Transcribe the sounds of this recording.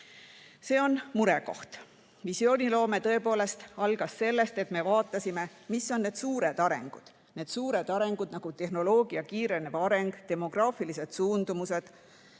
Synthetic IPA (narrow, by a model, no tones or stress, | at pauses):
se̞ːo̞nmuɾe̞ko̞ht̪ | visio̞ːnʲilo̞ːme̞t̪ɤ̞e̞po̞ːle̞st̪ɑlɡ̥ɑsːe̞lːe̞st̪e̞t̪me̞vɑːt̪ːˑɑsime̞ | misːo̞nːe̞ːd̪̥suːɾe̞d̪̥ɑɾe̞̰ŋɡ̥ud̪̥ | ne̞d̪̥suːɾe̞d̪ɑɾe̞ŋɡ̥ud̪̥nɑɡ̥ut̪e̞ɦno̞lo̞ːɡ̥iɑkiːɾe̞nevɑɑɾe̞ŋɡ̥t̪e̞mo̞ɡ̥rɑːfilise̞d̪̥suːnd̪̥umuse̞d̪̥